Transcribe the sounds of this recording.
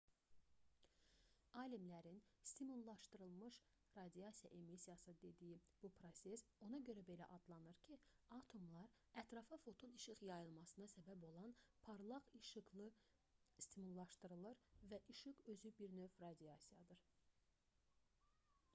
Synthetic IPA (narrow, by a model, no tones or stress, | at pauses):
ɑlimlæɾinst̪imulˠːɑʃt̪ɯɾɯlˠmɯʃ | ɾɑd̪iɑsijɑ̰ʔemisijɑsɯd̪e̞d̪ijib̥upʰɾo̞sʲe̞so̞nɑɟøɾæbe̞læʔɑd̪lˠɑnɯɾcʰi | ɑt̪ʰo̞mlˠɑɾ | æt̪ɾɑfɑfo̞t̪ʰuniʃɯχjɑjɯlˠmɑsɯnɑsæbæbo̞lˠɑnpʰɑɾlˠɑʁiʃlˠɯ | st̪imulˠːɑʃt̪ɯɾɯlˠɯɾvæʔiʃɯχø̞zybiɾnø̞fɾɑd̪iɑsijɑd̪ɯɾ